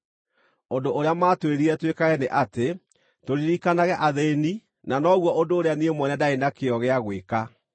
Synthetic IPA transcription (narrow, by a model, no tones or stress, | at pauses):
ondooɾeamaːtweɾiɾɛtwekaɣɛneʔate | toɾiɾikanaɣɛʔaðeni | nanɔɣwɔʔondoːɾeaniemwɔnɛdaenakeɔɣeaɣweka